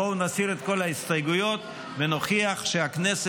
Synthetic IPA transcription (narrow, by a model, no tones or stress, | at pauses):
ounasiʁet̪ko̞laistajɡujo̞t̪ | veno̞χiaχʃeaknes